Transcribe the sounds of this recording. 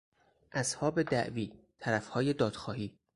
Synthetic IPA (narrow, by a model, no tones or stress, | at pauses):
ʔæshɒːbed̪æʔviː | t̪ʰæɾæfhɒːjed̪ɒːd̪̥xɒːhiː